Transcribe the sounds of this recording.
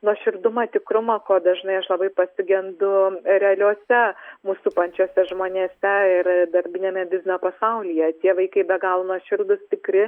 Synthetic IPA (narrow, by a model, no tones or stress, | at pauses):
nuɔʃʲɪɾd̪ʊmɐt̪ʲɪkɾʊmɐkoːd̪ɐʒnɐɪɐʃlˠɐbɐɪpɐsʲɪɡʲɛnd̪ʊɾʲɛɐlʲuɔsʲɛmuːsupɐnʲt͡ʃʲoːsʲɛʒmoːnʲeːsʲɛɪɾd̪ɐɾʲbʲɪnʲeːmʲɛd̪ʲɪzʲɪnopɐsɐʊlʲiːjɛt̪ʲiɛʋɐɪkɐɪbʲɛɡɑːlˠnuɔʃʲɪɾd̪ʊst̪ʲɪkɾʲɪ